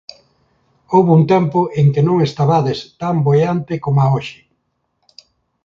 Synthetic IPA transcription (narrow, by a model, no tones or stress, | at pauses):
owβʊunt̪ɛmpʊʔeŋkɪnõŋest̪aβaðɪst̪ambojant̪ɪkomaoʃɪ̥